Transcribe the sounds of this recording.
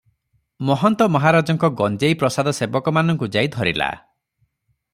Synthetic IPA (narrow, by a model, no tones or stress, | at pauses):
mɔɦɔnt̪ɔmɔɦaɾad͡ʒɔŋkɔɡɔnd͡ʒejpɾɔsad̪ɔsebɔkɔmanɔŋkud͡ʒajd̪ʱɔɾila̰